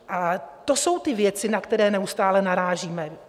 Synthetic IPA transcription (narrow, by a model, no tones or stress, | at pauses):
ʔat̪o̞so̞wt̪ɪvjɛt͡sɪnakt̪ɛɾɛːnɛust̪aːlɛnaɾaːʒiːmɛ